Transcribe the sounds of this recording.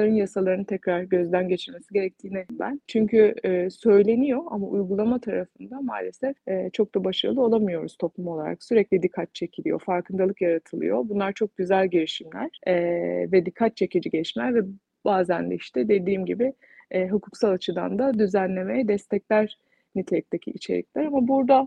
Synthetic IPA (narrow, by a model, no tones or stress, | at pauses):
aɾɯnjasalˠaɾɯnɯt̪ʰɛcɾaɾɟø̞zd̪ænɟe̞t͡ʃʰiɾme̞siɟe̞ɾɛc̚t̪ʰiːnɛbæ̰nt͡ʃʰyɲcʰyːsø̞jlʲe̞nijo̞a̰maʔujɡulˠamat̪ʰaɾafɯnd̪amaːlʲesɛfɛːt͡ʃʰo̞k̚d̪abaʃaɾɯ̰lˠɯo̞lˠamɯjo̞ɾuz̥t̪ʰo̞plˠumo̞lˠaɾa̰ksyɾɛclʲid̪ikʰːat̪̚t͡ʃʰe̞cʰilʲijo̞̰faɾkɯnd̪ʰalˠɯkjaɾat̪ʰɯlˠɯ̰jo̞̰bunlˠaɾt͡ʃʰo̞k̚ɟyzælʲɟeɾiʃimlʲæɾ̥ɛːvɛd̪ikʰːat̪̚t͡ʃʰe̞cid͡ʒiɟɛt͡ʃmæɾvɛ | baːzænd̪ɛ̰iʃt̪ʰɛd̪e̞d̪iːmɟibɪ | ɛɦukʰuksalˠat͡ʃʰɯd̪a̰nd̪ad̪yzænlʲe̞mejɛd̪ɛst̪ʰɛclʲæɾ | nit̪ʰe̞lʲic̚t̪ʰecʰḭʔḭt͡ʃʰe̞ɾḭclʲæɾamabuɾd̪a